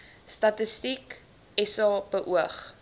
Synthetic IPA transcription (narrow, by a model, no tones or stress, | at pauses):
stɐtəstik | ɛsɑːb̥əʔuəχ